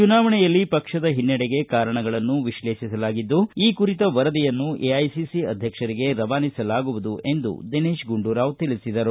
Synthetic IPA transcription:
t͡ʃunaːʋɐɳɛjɐlːipɐkʂɐd̪ɐɦinːɐɽɛɡe̞kaːɾɐɳɐɡɐɭɐnːuʋiʃle̞ːʃisɐlaːɡid̪ːuiːkuɾit̪ɐʋɐɾɐd̪ijɐnːuʔeɐjsisiɐ̰d̪ʱjɐkʂɐɾiɡe̞ɾɐʋaːnisɐlaːɡuʋud̪uʔe̞nd̪ṵd̪eneːʃɡuɳɖuːɾaːʋt̪ilisid̪ɐɾu

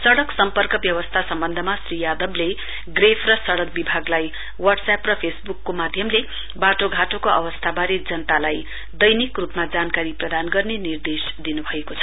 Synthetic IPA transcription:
sʌɽʌksʌmpʌrkʌbjʌwʌst̪ʰasʌmbʌnd̪ʱʌmasrijad̪ʌble | ɡrepʰrʌsʌɽʌk̚bibʱaɡlaj | wʌɖsaprʌpʰesbukːomad̪ʱjʌmle | baʈoɡʱaʈokoʔʌ̰wʌst̪ʰabaɾed͡zʌnt̪alaj | d̪ʌjnikrupmad͡zankaɾiprʌd̪anɡʌrnenird̪esd̪inubʱʌekot͡sʰʌ̥

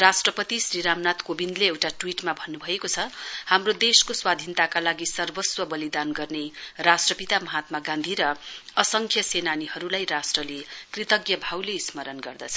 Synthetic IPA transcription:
rasʈrʌpʌt̪isriɾamnat̪kobind̪leewʈaʈwiʈmabʱʌnːubʱʌekot͡sʰʌhamrod̪eskoswad̪ʱint̪akalaɡisʌrbʌswʌbʌlid̪anɡʌrnerasʈrʌpit̪amʌɦat̪̚maɡãnd̪ʱiɾʌʌsʌŋkʰjʌsenanihʌɾulajrasʈrʌlekrit̪ʌɡjʌbʱawleismʌɾʌnɡʌrd̪ʌt͡sʰʌ

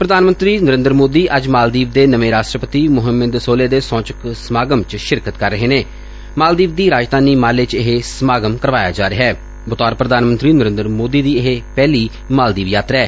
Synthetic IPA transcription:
pɾəd̪aːnmə̃nt̪ɾiːnəɾɪ̃nd̪əɾmoːd̪iːʔəd͡ʒmaːld̪iːʋd̪eːnəʋẽːɾaːʃʈɾəpət̪iːmʊɦəmːəd̪soːleːd̪eːsɔ̃ːt͡ʃəksəmaːɡəmt͡ʃʃɪɾkət̪kəɾːəɦeːneː | maːld̪iːʋd̪iːɾaːd͡ʒd̪aːniːmaːlet͡ʃɪɦesəmaːɡəmkəɾʋaːja̰ːd͡ʒaːɾɪɦɛː | bʊt̪aːɾpɾəd̪aːnmənt̪ɾiːnəɾɪ̃nd̪əɾmoːd̪iːd̪iːɪɦepɛːliː | maːld̪iːʋjaːt̪ɾɛː

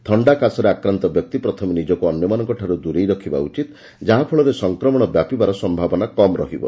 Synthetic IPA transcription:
t̪ʰɔɳɖakasɔɾeakɾant̪ɔbjɔk̚t̪ipɾɔt̪ʰɔmnid͡ʒɔkuɔnjɔmanɔŋkɔʈʰaɾud̪uɾejɾɔkʰiba̰ṵt͡ʃit̪ | d͡ʒaɦãpʰɔɭɔɾesɔŋkɾɔmɔɽ̃ɔbjapibaɾɔsɔmbʱabɔnakɔmɾɔ̰ɦibɔ̰

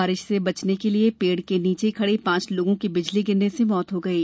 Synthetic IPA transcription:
aːɾɪʃsebɐt͡ʃnekeliepeːɽkeniːt͡ʃekʰɐɽepãːt͡ʃloːɡõkibɪd͡ʒliɡɪnːesemɔːt̪ɦoɡɐiː

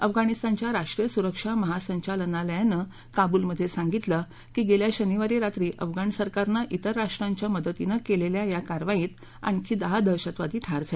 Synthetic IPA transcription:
əfɡañist̪ant͡ɕjaɾaʂʈɾijəsuɾəkʂaməɦasəɲt͡ɕalənaləjanə | kabuːlməd̪ʱːjesãŋɡit̪lə | kiːɡeljaɕəniʋaɾiɾat̪ɾiːʔəfɡaɳsəɾkaɾnaʔit̪əɾːaʂʈɾaɲt͡ɕjaməd̪ət̪inəkeleljajakaɾʋajiːt̪ | a̰ɳkʰiːd̪aɦad̪ʱəɾɕat̪ʋad̪iːʈʰaɾd͡za

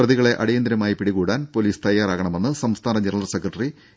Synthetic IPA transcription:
rɐðiɣɐɭe̞ʔɐɽijɐnd̪ɾɐmaːjipiɽiɣuːɽaːnpo̞liːst̪ɐjːaːɾaːɣɐɳɐme̞nːɨsɐmst̪ʰaːnɐɲiɾɐɭɐlsekrɐʈːɐri

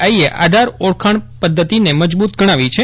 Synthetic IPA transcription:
aieʔʔa̰d̪ʱaɾoɽkʰaɳ̃pəd̪ʱːət̪ineməd͡ʒbut̪ɡəɽ̃aʋit͡ʃʰe

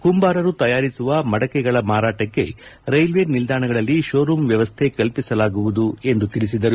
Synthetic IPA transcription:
kumbaːɾɐɾut̪ɐjaːɾisuʋɐmɐɽɐkɛɡɐɭɐmaːɾaːʈɐkːe̞̰ɾɐjlʋeːɾnild̪aːɳɐɡɐɭɐlːiʃoːɾumʋjɐʋɐst̪ʰe̞kɐlpisɐlaːɡuʋud̪ue̞nd̪ut̪ilis̬id̪ɐɾu

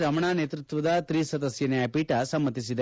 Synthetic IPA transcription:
ɾɐmɐɳaːneːt̪ɾut̪ʋɐd̪ɐt̪ɾisɐd̪ɐsjɐnɐjɐpiːʈɐsɐmːɐt̪is̬id̪e

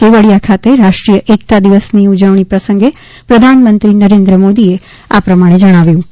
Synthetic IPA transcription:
keʋəɭijakʰat̪eɾaʃʈɾijəʔek̚t̪ad̪iʋəsniud͡ʒəʋɳ̃ipɾəsə̃ŋɡe | pɾəd̪ʱanmənt̪ɾinəɾẽnd̪ɾəmod̪ie | apɾəmaɽ̃ed͡ʒəɽ̃aʋjũ

